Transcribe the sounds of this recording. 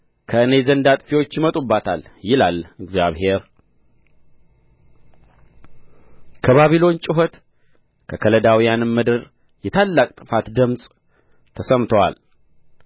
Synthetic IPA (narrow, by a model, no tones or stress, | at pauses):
kʰəɨne̞zənd̪at̪ʼfiwot͡ʃːjɪmət̪ʼubːat̪ʰaljɪlalɨɡzjaβhe̞ɾ | kʰəβaβilo̞nt͡ʃʼɪɦot̪ | kʰəkʰələd̪awijanɨmːɨd̪ɨɾ | jɛt̪ʰalːakʼt̪ʼɨfat̪d̪ɨmsʼ | t̪ʰəsəmt̪ʰəwa̰l